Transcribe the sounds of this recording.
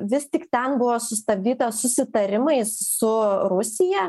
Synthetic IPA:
ʋʲɪst̪ʲɪkt̪ʲɛnbʊʋoːsʊst̪ɐb̚ʲd̪ʲiːt̪ɐsʊsʲɪt̪ɐɾʲɪmɐɪsʊɾʊsʲɪjɛ

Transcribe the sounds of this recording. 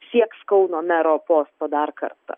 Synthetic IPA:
sʲiɛkskɐʊnoːmʲæɾoːpoːst̪oːd̪ɐɾkɐ̰rt̪ɐ̰

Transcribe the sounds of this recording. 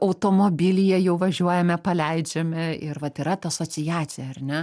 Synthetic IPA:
ɐʊt̪oːmoːbʲɪlʲɪjɛjɛʊʋɐʒʲuɔjɛmʲɛpɐlʲɛɪd͡ʒʲɛmʲɛɪrʋɐt̪ɪɾɐt̪ɐsoːt͡s̪ʲɪjæːt͡s̪ʲɪjɛɐrnʲɛ

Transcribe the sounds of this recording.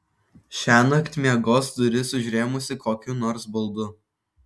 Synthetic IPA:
ʃʲæːnɐkt̪ʲmʲeɛɡoːsd̪ʊɾʲɪsʊʒʲɾʲeːmʊsʲɪkoːkʲunɔːɾsbʊlˠd̪ʊ

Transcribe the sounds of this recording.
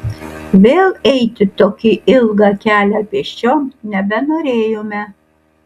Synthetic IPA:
ʋʲeːlˠɛɪt̪ʲɪt̪oːkʲiʔɪlˠɡɑkʲæːlʲɛpʲiɛʃʲt͡ʃʲoːmnʲɛbʲɛnoːɾʲeːjoːmʲɛ

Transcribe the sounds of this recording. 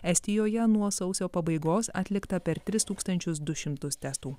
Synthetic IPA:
ɛsʲt̪ʲɪjoːjɛnuɔsɒʊsʲoːpɐbɐɪɡoːsɐ̰ːt̪ʲlʲɪkt̪ɐpʲɛɾt̪ʲɾʲɪst̪uːkst̪ɐnʲt͡ʃʲʊs̬d̪ʊʃʲɪmt̪ʊst̪ʲɛst̪uː

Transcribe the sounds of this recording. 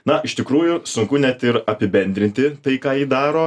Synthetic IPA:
nɐɪʃt̪ʲɪkɾuːjʊsʊŋkʊnʲɛt̪ɪɾɐpʲɪbʲɛnʲd̪ʲɾʲɪnʲt̪ʲɪt̪ɐɪkɑːiːd̪ɑːɾoː

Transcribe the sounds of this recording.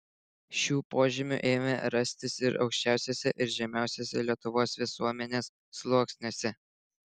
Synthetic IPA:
ʃʲuːpoːʒʲɪmʲʊ̰ʔeːmʲɛɾɐsʲt̪ʲɪsɪɾɒ̰ʊkʃʲt͡ʃʲæˑʊsʲeːsʲɛʔɪɾʒʲɛmʲæˑʊsʲoːsʲɛlʲiɛt̪ʊʋoːsʋʲɪsuɔmʲɛnʲeːsːlˠuːksʲnʲosʲɛ

